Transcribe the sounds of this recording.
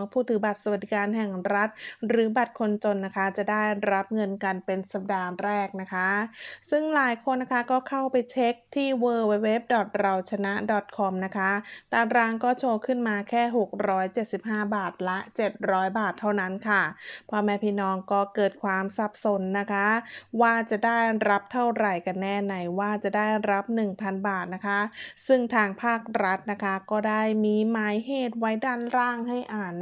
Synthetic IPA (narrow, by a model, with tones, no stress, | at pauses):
ŋpʰuː˥˩t̪ʰːɯː˩˦ba˨˩t̪̚sa˧wa˨˩d̪i˦˥kaː˧nɦɛ˨˩ŋɾa˦˥t̪̚ɾɯː˩˦ba˨˩t̪̚kʰo˧nt͡ɕo˧nːa˦˥kʰa˦˥t͡ɕa˨˩ʔdaː˥˩jɾa˦˥p̚ŋɤ˧nka˧npe˧nsa˧p̚daː˧ŋɾɛː˥˩k̚na˦˥kʰa˦˥sɯ˥˩ŋlaː˨˩˦jkʰo˧nːa˦˥kʰa˦˥kɔː˥˩kʰa˥˩wpa˧jt͡ɕʰe˦˥k̚t̪ʰiː˥˩wɤː˧we˧˥we˦˥p̚dɔ˨˩t̪̚ɾa˧wt͡ɕʰa˧na˦˥dɔ˨˩t̪̚kʰɔ˧mna˦˥kʰa˦˥t̪aː˨˧˩ɾaː˧ŋkɔː˥˩t͡ɕʰoː˧kʰɯ˥˩nmaː˧kʰɛː˥˩ɦo˨˩k̚ɾɔː˦˥jt͡ɕe˨˩t̪̚si˨˩p̚ɦaː˥˩baː˨˩t̪̚la˦˥ʔt͡ɕe˨˩t̪̚ɾɔː˦˥jbaː˨˩t̪ʰːa˥˩wna˦˥nkʰa˥˩pʰɔ˧˥mɛː˧pʰiː˥˩nɔː˧˥ŋkɔː˥˩kɤː˨˩t̪̚kʰwaː˧msa˨˩p̚so˨˩˦nːa˦˥kʰa˦˥waː˥˩t͡ɕa˨˩ʔdaː˥˩jɾa˦˥p̚t̪ʰa˥˩wɾa˨˩jka˧nːɛː˥˩na˧jwaː˥˩t͡ɕa˨˩daː˥˩jɾa˦˥p̚nɯ˨˩ŋpʰa˧nbaː˨˩t̪̚na˦˥kʰa˦˥sɯ˥˩ŋt̪ʰaː˧ŋpʰaː˥˩k̚ɾa˦˥t̪̚na˦˥kʰa˦˥kɔː˥˩daː˥˩jmiː˧maː˦˥jɦeː˥˩t̪̚wa˦˥jdaː˥˩nɾaː˥˩ŋha˥˩jʔaː˨˩n